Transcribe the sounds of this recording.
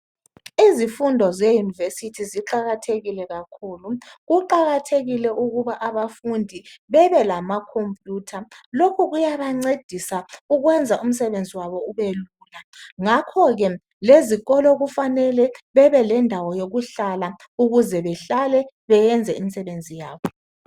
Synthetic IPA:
izifundʱɔzejunivesitʰiziǃaɣatʰeɣilɛɣakʰuːluɣuǃaɣatʰeɣilɛuɣuβaʔaβafundʱiβɛβɛlamakʰompʰʼjuːtʰalokʰuɣujaβaŋ͡ǀed̥ʱisauɣwɛnd͡zʱaʔum̩sɛβend͡zʱiwaβɔuβeluːlaŋakʰɔɣɛ | leziɣɔlɔɣufanɛlɛβɛβɛlɛndʱawɔjoɣuɬala | uɣuzɛβɛɬalɛ | βɛjɛnd͡zʱɛimisɛβend͡zʱijaːβɔ

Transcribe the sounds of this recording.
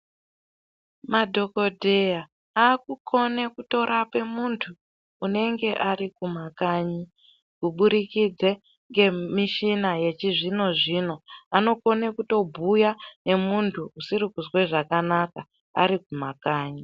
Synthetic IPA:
madʱo̞ko̞dʱeja | aːkukʰo̞ne̞kuto̞ɾape̞muntʰuː | ne̞ŋɡe̞ʔaɾikumakaɲi | kuɓuɾikid͡ze | ŋɡe̞miʃinaje̞t͡ʃiʐino̞ʐino̞ano̞ko̞ne̞kuto̞bʱujane̞muntʰuusirikuzwe̞ʐakanaka | a̰ɾik̚umakaːɲi

